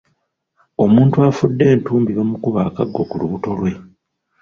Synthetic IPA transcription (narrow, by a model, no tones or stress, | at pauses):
o̞muːntuafudːe̞ːntuːmbiβomukuβaːkaɡːo̞kuluβuto̞lwe̞